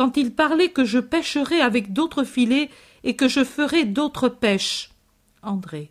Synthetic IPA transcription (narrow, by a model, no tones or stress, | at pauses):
kɑ̃t̪ilpaʁlɛkəʒəpɛʃəʁɛavɛkd̪ot̪χəfile | ekəʒəfəʁɛd̪ot̪χəpɛʃ | ɑ̃d̪ʁe